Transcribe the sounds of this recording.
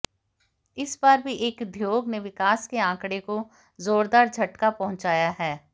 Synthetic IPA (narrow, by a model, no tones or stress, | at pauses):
ɪsbaːɾbʱiʔeːkd̪ʱjoːɡneʋɪkaːskeãːkɽeko | zoːɾd̪aːɾd͡ʒʱɐʈkapɐɦʊ̃nt͡ʃaːjaɦɛː